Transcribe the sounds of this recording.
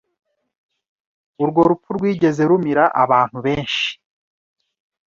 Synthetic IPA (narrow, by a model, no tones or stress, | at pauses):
uɾɡo̞ɾupuɾɡwiːɟe̞ze̞ɾumiɾaʔa̰βaːn̥huβe̞ːnʃi̥